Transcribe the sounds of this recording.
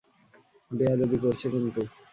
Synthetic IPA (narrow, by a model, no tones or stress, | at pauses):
bead̪abikoɾt͡ɕʰekint̪u